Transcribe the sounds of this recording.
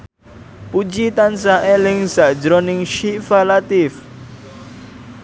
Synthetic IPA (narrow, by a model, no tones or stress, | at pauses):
pud͡ʒit̪ans̬aʔɛlɪŋzaʔd͡ʒɾɔnɪŋʃifalat̪ɪf